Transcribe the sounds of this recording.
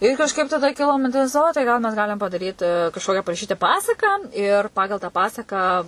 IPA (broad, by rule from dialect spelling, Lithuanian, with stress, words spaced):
ɪr kɐʃˈkɐɪp tɐˈdɐ ˈkʲɪlˠoː mʲɪnʲˈtʲɪs ˈoː tɐɪ ˈɡɐlˠ mʲɛs ˈɡɑːlʲɪm pɐdɐˈrʲiːtʲɪ kɐʃˈkoːkʲɛ pɐrɐˈʃʲiːtʲɪ ˈpɑːsɐkɑː ɪr ˈpɑːɡɐlˠ tɑː ˈpɑːsɐkɑː